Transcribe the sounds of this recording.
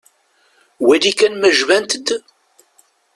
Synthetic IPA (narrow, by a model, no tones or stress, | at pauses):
wæd̪ikænmæʒvænt̪əd̪